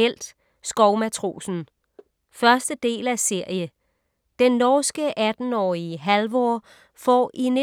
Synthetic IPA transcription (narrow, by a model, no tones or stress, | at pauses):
el̰d̥ | sɡ̥ɒʊmæt͡sʰʁo̝̰ːsn̩ | fɶɐsd̥əd̥e̝̰ːlæse̝ɐ̰jə | d̥enːɒːsɡ̥əʔæd̥n̩ɒ̰ːiəɦælʋɒ̰ː | fɒ̰ːʔine